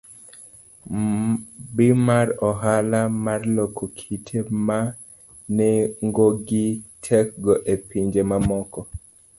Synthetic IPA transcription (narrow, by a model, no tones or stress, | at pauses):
bɪmaɾɔɦalamarlokʰokʰitʰema | nɛŋɡoɡitʰɛk̚ɡɔʔepiɲd͡ʒemamɔkɔ